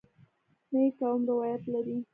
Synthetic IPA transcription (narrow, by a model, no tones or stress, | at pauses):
nəjkawmɾɪwɑjat̪laɾi